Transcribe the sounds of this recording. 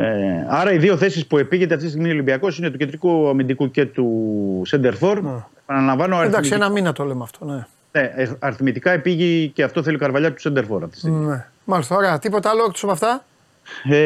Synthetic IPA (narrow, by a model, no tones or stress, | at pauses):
eɐɾɐiðio̞θe̞sispue̞piʝe̞t̪eɐft̪ist̪iɣmiolimbiɐko̞sinet̪uced̪ɾikuɐmind̪ikuce̞t̪usend̪e̞ɾfo̞ɾepɐnɐlɐɱvɐnoɐɾid̪ɐksinɐminɐt̪olemeɐft̪one | neɐɾiθmit̪ikɐepiʝiceɐft̪o̞θe̞liokɐɾvɐʎɐt̪u̥send̪eɾθo̞ɾɐft̪i̥st̪immne | mɐlist̪ɐoɾeɐt̪ipo̞t̪ɐɐlokt̪o̥sopɐft̪ɐ